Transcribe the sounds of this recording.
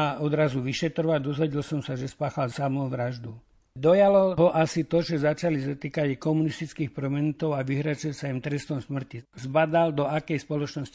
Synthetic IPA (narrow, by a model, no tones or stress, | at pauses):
aɔd̪ɾazuʋiʃɛt̪ɾɔʋad̪ɔzʋɛɟilsɔmsaʒɛspaːxalsamɔʊʋɾaʒd̪u | d̪ɔjalɔɦɔʔasit̪ɔʒɛzat͡ʃalisat̪iːkaɟkɔmunist̪it͡skiːxpɾɔmɛnut̪ɔʊaʋiɦɾat͡sɛsaimt̪ɾɛst̪ɔmsmr̩cizbad̪ald̪ɔakɛjspɔlɔt͡ʃnɔsci